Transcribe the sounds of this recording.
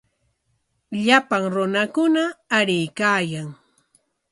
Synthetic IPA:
ʎapaŋɾʊnakʊnaːɾɪjkaːjaŋ

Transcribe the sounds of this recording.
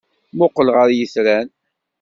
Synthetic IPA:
mʊqːəlʁəɾjəsɾæn

